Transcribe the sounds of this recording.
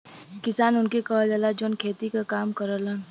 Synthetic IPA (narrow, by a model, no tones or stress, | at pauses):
kɪsaːnʊnkekɐɦd͡ʒalad͡ʒoːnkʰeːt̪ikakaːmkɐɾələ